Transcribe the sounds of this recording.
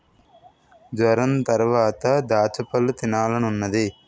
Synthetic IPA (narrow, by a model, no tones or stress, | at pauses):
d̪ʋɐɾɐnt̪ɐɾʋaːt̪ɐd̪aːt̪ʰɐpɐlːut̪inaːlɐnunːɐd̪i